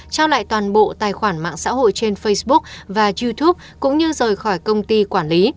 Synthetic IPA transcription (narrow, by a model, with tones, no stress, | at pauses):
t͡ɕaː˧wla̰ː˧˨jt̪waː˨˩nɓo̰˧˨t̪aː˨˩jxwaː˧˩nma̰ː˧˨ŋsa̰ː˧˥ɦo̰˧˨jt͡ɕe˧nfə˧jsɓʊ˦˥k̚vaː˨˩zu˧t̪ʰu˦˥p̚kʊ̰˧˥ŋ͡mɲɨ˧zəː˨˩jxɔ˧˩jkə˧wŋ͡mt̪i˧kwaː˧˩nli˨˦